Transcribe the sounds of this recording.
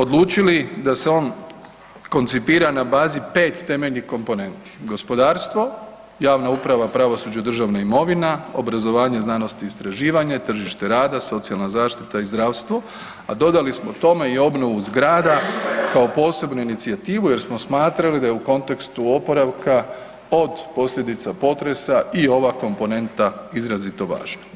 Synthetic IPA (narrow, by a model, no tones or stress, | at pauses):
o̞d̪lˠuːt͡ʃilid̪ase̞o̞ːn | ko̞nt̪sipiːɾanabaːzipe̞ːt̪ːe̞me̞ʎnihko̞mpo̞ne̞nt̪i̥ɡo̞spo̞d̪aːɾst̪ʋo̞ | jaːʋnaupɾaʋapɾaʋo̞sud͡ʑad̪r̩ʒaʋnaimo̞ʋinao̞bɾazo̞ʋaːɲe̞znano̞st̪iːst̪ɾaʒiːʋaɲat̪r̩ʒiʃt̪e̞ɾaːd̪aso̞t̪sijalˠnazaːʃt̪it̪aizd̪ɾaːʋst̪ʋo̞ | ad̪o̞d̪alismo̞t̪o̞me̞io̞bno̞ʋuzɡɾaːd̪akao̞po̞ːse̞bnuinit̪siat̪iːʋuje̞ɾsmo̞smaːt̪ɾalid̪ajeuko̞nt̪e̞kst̪uo̞po̞ɾaʋka | o̞d̪po̞sʎʲe̞d̪it̪sapo̞t̪ɾe̞saio̞ʋako̞mpo̞ne̞nt̪aizɾazit̪o̞ʋa̰ːʒna